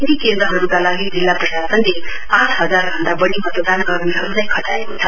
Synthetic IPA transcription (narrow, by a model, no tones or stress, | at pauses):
nd̪ikend̪rʌɦʌɾukalaɡid͡zilːaprʌɕasʌnle | ãʈʰɦʌd͡zarbʱʌnd̪abʌɽibʌt̪od̪anɡʌrmiɦʌɾunaj̃kʰʌʈaekot͡sʰʌ